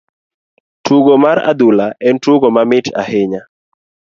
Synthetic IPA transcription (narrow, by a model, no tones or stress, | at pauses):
tuɡomaɾa̰d̪ulaɛntuɡomamɪtʰa̰hɪɲa